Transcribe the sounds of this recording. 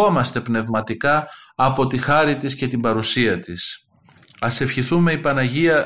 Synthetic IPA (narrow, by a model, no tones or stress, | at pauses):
o̞mɐst̪e̞pne̞vmɐt̪ikɐːpo̞t̪ixɐɾit̪isce̞t̪ibɐɾusiɐt̪is | ɐse̞fçiθume̞ipɐnɐʝiɐ